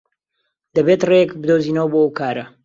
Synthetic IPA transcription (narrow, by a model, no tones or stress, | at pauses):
d̪ɐbet̪rejɛkbɨd̪oːziːnɐwboːkaːɾɐ